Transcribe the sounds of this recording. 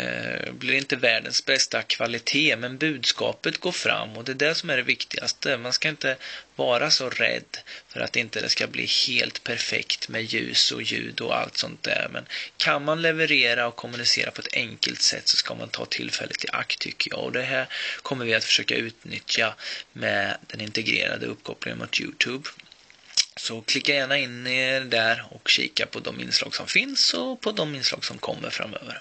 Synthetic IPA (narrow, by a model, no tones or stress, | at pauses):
blɪɾɪnt̪əvæːɖənsbɛst̪akʰvalɪt̪ʰeːmɛnbʉ̟ːd̪skɑːpət̪ɡoːɾfɾamːɔd̪ɛːd̪æʂɔmæɖɛvɪkt̪ɪɡast̪əmanskaɪnt̪əvɑːɾʔasɔɾɛ̰d̪ːfœɾʔa̰t̪ɪnt̪əd̪ɛ̰skablḭːheːlt̪pʰæɾfɛkt̪mɛjʉ̟ːsɔjʉ̟ːd̪ɔ̰a̰lt̪sɔnt̪̚d̪æːɾmɛ̰nkʰanmanlɛvəɾeːɾaɔkʰːʊmːɵnɪseːɾʔapʰɔɛt̪ʰɛŋkəlt̪sɛ̰t̪ːsɔ̥skamant̪ʰɑːt̪ʰɪlːfɛlːət̪ʰːɪʔakt̪ʰːʏkʰːəjɑ̰ːɡɔd̪ɛɦæːɾkʰɔmːəɾvɪat̪fœ̥ʂøːkaʉ̟ːt̪nʏt̪ʰjamɛd̪̥ɛnɪnt̪ɛɡɾḛːɾa̰d̪əɵpːkʰɔplɪŋə̰nmʊt̪ʰjʉːt̪ʰʉːb | sɔkʰlɪkːajæːɳaɪnːɪd̪æɾɔkɕḭːkapʰɔd̪ɔmɪ̰nslɑːɡsɔmfɪnsɔpʰɔd̪ɔmɪnslɑːɡsɔmkʰɔmːəɾfɾa̰mːøːvəɾ